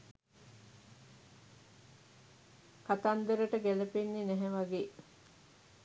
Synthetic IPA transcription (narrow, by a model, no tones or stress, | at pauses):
kat̪and̪əɾəʈəɡælɐpenːinɛɦɛʋaɡeː